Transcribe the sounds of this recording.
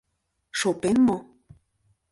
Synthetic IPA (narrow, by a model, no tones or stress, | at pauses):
ʃopenmo